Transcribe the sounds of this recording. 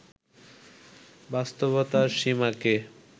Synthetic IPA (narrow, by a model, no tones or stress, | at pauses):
bast̪oβot̪aɾʃimake